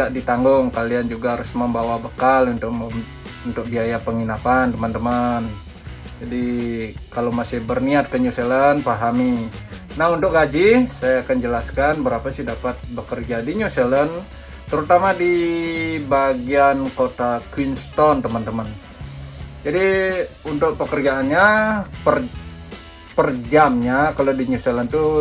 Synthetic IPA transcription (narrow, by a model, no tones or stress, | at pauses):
daʔdit̪aŋɡʊŋkaliand͡ʒuɡaɦaɾʊsməmbawabəkalunt̪ʊk̚ | unt̪ʊk̚biajapəŋinapant̪əmant̪əmən | d͡ʒadikalamasɪhbərniat̪̚kəɲuselənpaɦami | nahunt̪ʊk̚ɡad͡ʒɪsajaːkand͡ʒəlaskanbəɾapasɪhdapat̪̚bəkərd͡ʒadiɲuselən | t̪əɾut̪amadi | baɡiankot̪akwinst̪ɔnt̪əmant̪əmən | d͡ʒadiunt̪ʊk̚pəkərd͡ʒaːnɲapər | pərd͡ʒamɲakalodiɲuselənt̪u